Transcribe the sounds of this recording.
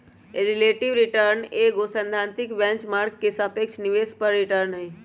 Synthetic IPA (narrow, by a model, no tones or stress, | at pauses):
eɾileʈiʋɾiʈəɾneɡosə̃nd̪ʱant̪ikbɛ̃nt͡ʃmaɾkkesəpekʃʰniʋespəɾːiʈəɾnɦəj